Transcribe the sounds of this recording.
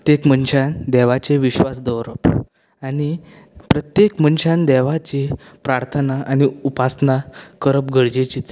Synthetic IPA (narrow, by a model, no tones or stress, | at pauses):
t̪jekmənɕand̪ɛʋat͡ɕeʋiɕʋasd̪əwɾəp | añi | pɾət̪jekmənɕand̪ɛʋat͡ɕi | pɾaɾt̪ʰənaʔañiupasnakəɾəpɡʱəɽd͡ʑet͡ɕiːt͡s